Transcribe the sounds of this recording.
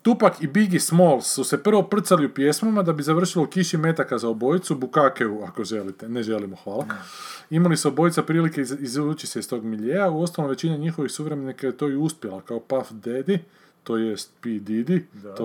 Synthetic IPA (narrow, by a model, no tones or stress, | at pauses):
t̪upakibiɡismolsːuse̞pr̩ʋo̞pr̩t̪saliupje̞smamad̪abizaʋr̩ʃilo̞ukiʃime̞t̪akazaobo̞jit̪subukakeuakoʒelit̪eneʒe̞limoxʋaːlaimalisuobo̞jt̪sapɾiːlikeizut͡ʃiseist̪o̞ɡmiʎejauo̞st̪alnoʋe̞t͡ɕineɲixo̞ʋixsuʋɾemenikajet̪o̞iuspjelakaopafd̪ed̪i | t̪o̞jest̪̚pid̪id̪io